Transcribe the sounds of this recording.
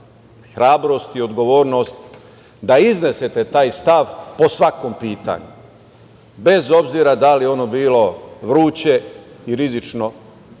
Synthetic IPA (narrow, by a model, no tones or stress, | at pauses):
xɾaːbɾo̞st̪iod̪ɡo̞ʋo̞ːɾno̞st̪ | d̪aizne̞set̪e̞t̪aːjst̪aʋpo̞sʋako̞mpiːt̪a̰ɲu | be̞zo̞bziɾad̪alijeo̞no̞biːlo̞ʋɾuːt͡ɕe̞iɾizit͡ʃno̞